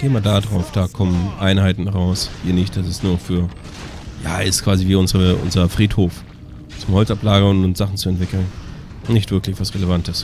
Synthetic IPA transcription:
ɡ̥eːmaːdadʁaʊfd̥aːkʰɔmənʔaɪnhaɪtn̩hʁaʊshiːɐnɪçt̚d̥asɪstnuːɐfyːɐ | ja̰ːɪstkʰv̥aːziviːʊnzəʁəʔʊ̰nzəɐfʁ̥iːthoːf | t͡sʊmhɔlt͡saplaːɡɐʊntʊnsz̥aχn̩t͡suɛntvɪkl̩n | nːɪçtv̥ɪɐklɪçv̥asʁelevantəs

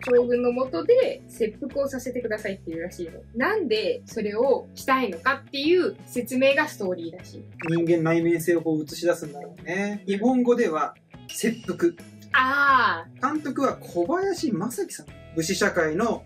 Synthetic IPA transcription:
koːɡɯ̟̃nːo̞mo̞t̪o̞d̪e̞se̞pːɯ̟kɯ̟o̞sase̞t̪e̞kɯ̟d̪asait̪ːe̞jɯ̟ɾaɕiːno̞̰nãnd̪e̞so̞ɾe̞o̞ɕi̥t̪aino̞kat̪ːe̞jɯ̟ːse̞t͡sɨme̞ːɡasɨ̥t̪o̞ːɾʲiːd̪aɕḭːɲ̟ĩŋɡẽ̞nːaimẽɰ̃se̞ːoko̞ːɯ̟t͡sɨ̥ɕid̪asɨ̃nd̪aɾone̞ɲiɦõ̞ŋɡo̞d̪e̞βa | se̞pːɯ̟kɯ̟ | aːkãnt̪o̞kɯ̟βakʰo̞bajaɕiːmasakʲi̥sãŋ | bɯ̟ɕiɕakaino̞

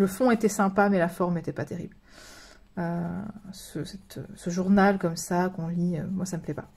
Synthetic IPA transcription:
ləfɔ̃et̪ɛsɛ̃pamɛlafɔʁmet̪ɛpat̪eʁḭbl | øsəsɛt̪ʰø̰səʒuʁnalkɔmsakɔ̃liømwasaməplɛpa

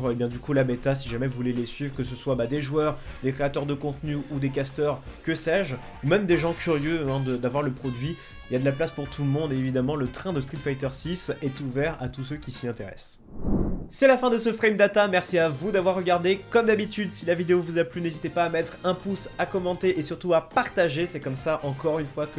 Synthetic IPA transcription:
ʁebjɛ̃d̪ykulabet̪as̬iʒamɛvulɛlɛsɥivʁəkəsəswabad̪eʒwœʁd̪ekχeat̪œʁd̪əkɔ̃t̪nyud̪ek̬ast̪œʁkəsɛʒ | umɛmd̪eʒɑ̃kʲʰyʁjøɛ̃d̪əd̪avwaʁləpχɔd̪ɥi | ilad̪əlaplaspuʁt̪ʰulmɔ̃d̪ːvid̪amɑ̃lət̪χɛ̃d̪əst̪χit̪fajt̪œʁsisɛt̪uvɛʁa̰t̪us̬økʲisiɛ̃t̪eʁɛ̰s | sɛlafɛ̃d̪əsəfχɛjmd̪at̪amɛʁsiavud̪avwaʁːəɡaʁd̪ekɔmd̪abit̪yd̪silavid̪eovuzaplynezit̪epaːmɛt̪χɛ̃pusakɔmɑ̃t̪eʔesyʁt̪uapaʁt̪aʒesɛkɔmsaʔɑ̃kɔʁynfwakə

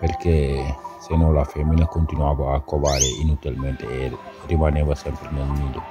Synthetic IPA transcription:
peɾkɛsenɔ̃lafɛmːinakont̪inuavaːkːovaːɾeinut̪ilmɛnt̪eːrimanɛvasɛmpɾenelnilo

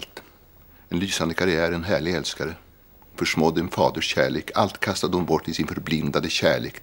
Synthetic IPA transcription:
lt̪ | ɛnlyːsand̪əkʰaɾɪæːɾɛnɦæːɭɪɡɛlskaɾə | fœʂmɔd̪ːɛnfɑːd̪əʂɕæːɭeːkʰalt̪kʰast̪ad̪əhʊnbɔʈːɪsɪnfœɾblɪnd̪ad̪əɕæːɭḛːk

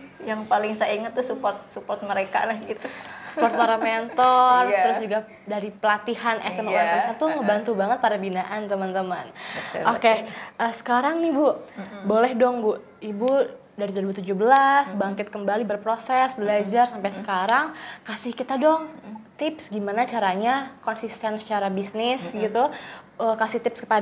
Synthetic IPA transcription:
jaŋpalɪŋsaiŋət̪ːusupɔrt̪̚supɔrt̪̚məɾeka̰lahɡit̪usu̥pɔrt̪aɾamment̪ɔrt̪əɾʊsd͡ʒuɡa | daɾipəlat̪ihanʔɛ̰sɛmuɾaŋpaɾasat̪uŋəbant̪ubaŋət̪̚padabinaʔant̪əmant̪əmanokeʔəsə̥kaɾaŋnihbʊbolɛhdɔŋbʊʔ | ibu | daɾid̪ɾbut̪ud͡ʒuhbəlasbaŋkɪt̪̚kəmbalibərpɾosɛsbəlad͡ʒarsampajsə̥kaɾaŋkasɪhkit̪adɔŋt̪ɪpsɡimanat͡ʃaɾaɲakɔnsist̪ɛnsə̥t͡ʃaɾabisnɪsɡit̪u | əkasɪht̪ɪpskə̥pa

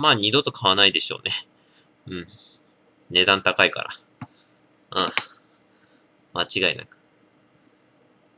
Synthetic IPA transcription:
maːɲ̟id̪o̞t̪o̞kʰaβ̞anaid̪e̞ɕo̞̰ːnʔe̞ | ɯ̟̃ɴ | ne̞d̪ãnt̪akaika̰ɾa̰ | ɯ̃ | mat͡ɕiɡaina̰kɯ̟̥

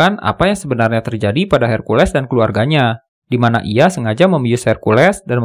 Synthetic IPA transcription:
ana̰pajaŋsəbənarɲat̪ərd͡ʒadipadaɦɛrkulɛsdankəluarɡaɲa | dimanaʔiasəŋad͡ʒaməmijusɛrkulɛsdanm

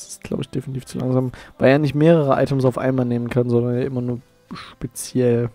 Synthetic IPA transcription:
sɪ̥stɡ̥la̰ʊbə̰ɪçd̥eːfintʰiːft͡sulʔa̰ŋzaːmvaɪljaːnɪçtmeːʁəʁəʔa̰ɪtəmsaʊfʔa̰ɪnmaːlneːmənkʰanzɔndɐnjaːʔɪmɐnuːɐ | ʃpet͡sjɛl

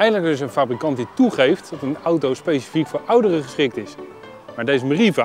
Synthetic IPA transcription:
ɛjdədləkɪs̬ənfaːbrikɑnt̚dituχejftɑtənʌwtowspejsi̥fikfʊːɹʔʌwdərəχəsχɪk̚tɪs | maːɹdejzəməriva

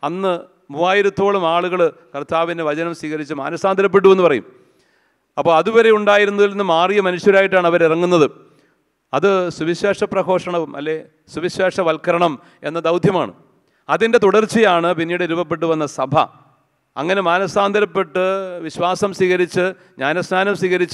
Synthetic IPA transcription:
ɐnːɨ | muːaːjiɾɐt̪ːo̞ːɭumaːɭuɣɐɭɨkɐrt̪aːʋineʋɐt͡ɕɐnɐmswiːɣɐɾit͡ɕːɨma̰ːnɐsaːnd̪ɐɾɐp̬ːe̞ʈ̬ːue̞nːupɐrɐjṵm | ɐpːo̞ːɐðuʋɐɾe̞juɳɖaːjiɾunːuðilːinːɨmaːrijɐmɐnuɕjɐɾaːjiʈ̬ːaːɳɐʋɐɾirɐŋːunːɐðɨ | ɐðɨsuʋiɕweːʂɐprɐko̞ːʂɐɳɐʋumʔɐ̰lːe̞ | suʋiɕweːʂɐʋɐlkɐɾɐɳɐm | e̞̰nːɐd̪ɐwd̪ʱjɐma̰ːɳɨ̰ | ɐðindet̪uɽɐrt͡ɕːijaːɳɨpinːiːɽɨiɾubɐp̬ːe̞ʈ̬ːuʋɐnːɐsɐbʱɐ̰ | ɐ̰ŋːɐne̞maːnɐsaːnd̪ɐɾɐpːe̞ʈːɨʋiɕwaːsɐmswiːɣɐɾit͡ɕːɨ | ɲaːnɐsnaːnɐmswiːɣɐɾit͡ɕː

